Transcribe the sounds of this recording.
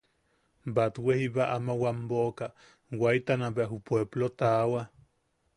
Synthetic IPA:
bat̪wehiβaʔamawamboka | wajt̪anaβeaɦupweblot̪awa

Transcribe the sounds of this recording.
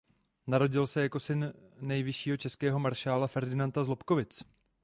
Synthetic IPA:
naɾo̞ɟɪlsɛjako̞sɪnːɛjvɪʃiːɦo̞t͡ʃɛskɛːɦo̞maɾʃaːlafɛɾdɪnant̪azlo̞pko̞vɪt͡s

